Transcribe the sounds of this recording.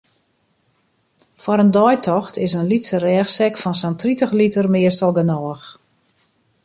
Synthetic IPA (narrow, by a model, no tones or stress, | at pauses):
fwɔɾəndɔjtʰɔxtɪsənlitsərɛːxsɛkfɔnsɔntritəxlitərmɪəsɔlˠɡənɔːəx